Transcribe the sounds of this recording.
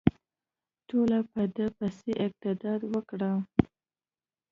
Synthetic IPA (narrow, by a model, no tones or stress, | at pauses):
ʈolapəd̪əpaseʔɪq̚t̪ɪd̪ɑd̪wəkɽə